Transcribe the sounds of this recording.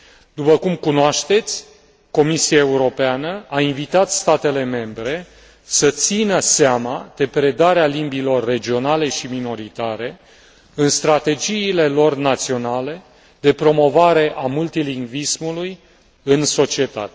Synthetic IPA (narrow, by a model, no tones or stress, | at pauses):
d̪̥upəkumkunoaʃt̪e̞t̪sʲ | ko̞misiaeuɾo̞peanəainvit̪at̪st̪at̪e̞le̞me̞mbɾe̞ | sət̪sinəsamad̪̥e̞pɾe̞d̪aɾealimbilo̞rːe̞d͡ʒio̞nale̞ʃimino̞ɾit̪aɾe̞ | ɨnst̪ɾat̪e̞d͡ʒiːle̞lo̞rnat̪sio̞nale̞ | d̪e̞pɾo̞mo̞vaɾe̞ʔamult̪iliŋɡvismuluj | ɨnso̞t͡ʃie̞t̪a̰t̪e